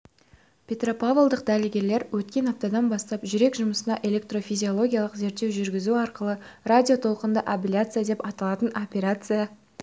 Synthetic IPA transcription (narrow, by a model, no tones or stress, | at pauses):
pʲʰe̞t̪ro̞pavolˠd̪əq̚d̪ælɪɡʲe̞ɾle̞ɾwʔɵt̪kʲe̞nɑp̚t̪ɑd̪ɑnbɑst̪ɑpʒʏɾe̞kʒʊməsənɑʔe̞lʲe̞kt̪ro̞fijzʲio̞lˠo̞ɡʲijalˠəqze̞ɾt̪ːe̞wʒʏɾɡʲɪzuɑɾqəlˠəradʲio̞t̪ʰo̞lˠqənd̪əʔapʲelʲjat̪sɨjad̪e̞pɑt̪ɑlˠɑt̪əno̞pʲeɾat̪sɨja